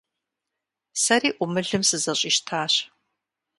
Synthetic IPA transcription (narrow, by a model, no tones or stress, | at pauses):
sɐɾiːʔʷʊmɨɮɨmsɨzɐɕʼiʃtʰaːɕ